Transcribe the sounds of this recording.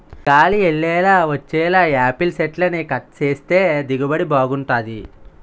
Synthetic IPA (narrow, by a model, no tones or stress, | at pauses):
kaːlieɭːɛːlaːʋɐt͡ʃːɛːlaːaːpilseʈlɐnikɐʈ̚t͡ʃeːst̪eːd̪iɡɐbɐɽibaːɡuɳʈaːd̪i